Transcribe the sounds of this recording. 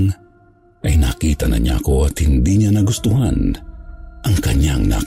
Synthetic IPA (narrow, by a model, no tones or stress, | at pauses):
ŋ | ʔɐjnaːkiːt̪ɐnɐ̰ɲa̰ko̞ɐt̪hɪnd̪iɲanɐɡʊst̪ʊhan | ʔɐŋkɐɲaŋna̰